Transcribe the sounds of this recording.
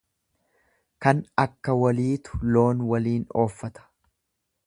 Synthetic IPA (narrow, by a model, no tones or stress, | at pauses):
kɐnɐkːɐwɐliːt̪ʊ̥lo̞ːnwɐliːno̞ːfːɐt̪ɐ̥